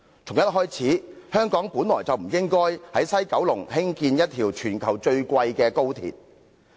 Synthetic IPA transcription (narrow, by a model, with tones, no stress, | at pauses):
t͡sʰʊ˨˩ŋjɐ˥t̚ɦɔː˥jt͡sʰiː˨˥hœː˥ŋkɔː˨˥ŋpuː˨˥nlɔː˨˩jt͡sɐ˨wm̩˨˩jɪ˥ŋkɔː˥jhɐ˨˥jsɐ˥jkɐ˨˥wlʊ˨˩ŋhɪ˥ŋkiː˧njɐ˥t̚t̪ʰiː˨˩wt͡ʃʰyː˨˩nkʰɐ˨˩wt͡ʃɵ˧ɥkʷwɐ˧jkɛː˧ko˥wt̪ʰḭ˨˩t̚